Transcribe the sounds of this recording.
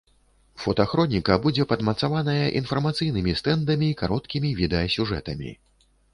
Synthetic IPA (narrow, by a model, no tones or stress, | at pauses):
fɔt̪ɐaxɾɔnʲikɐbud͡zʲɛpɐd̪mɐt̪savanɐjɐʔinfɐrmat̪sɨjnɨmʲist̪ɛnd̪ɐmʲiːkaɾɔt̪kʲimʲivʲid̪ɛjɐsʲuʐɛ̰t̪ɐmʲḭ